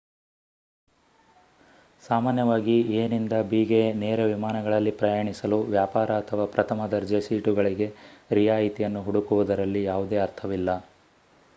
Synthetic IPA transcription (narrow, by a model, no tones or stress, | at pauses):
saːmaːnjɐʋaːɡieːnind̪ɐbiːɡe̞neːɾɐʋimaːnɐɡɐɭɐlːipɾɐjaːɳisɐluʋjaːpaːɾɐːt̪ʰɐʋaːpɾɐt̪ʰɐmɐd̪ɐɾd͡ʒɐsiːʈuɡɐɭiɡe̞ɾijaːjit̪ijɐnːuɦuɽukuʋud̪ɐɾɐlːijaːʋud̪eːɐɾt̪ʰɐʋilːɐ